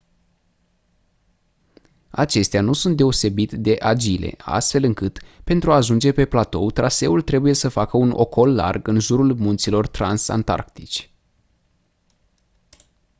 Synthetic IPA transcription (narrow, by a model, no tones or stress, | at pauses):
at͡ʃe̞st̪eanusunt̪d̪e̞o̞se̞bit̪d̪e̞ʔad͡ʒile̞̰a̰st̪fe̞lɨŋkɨt̪pe̞nt̪ɾuaːʒund͡ʒe̞pe̞plat̪o̞̰wt̪ɾʔase̞ult̪ɾe̞buje̞səfakəuno̞̰ko̞lːa̰rɡɨnʒuɾulmunt̪silo̞rt̪ɾansa̰nt̪a̰rkt̪it͡ʃʲ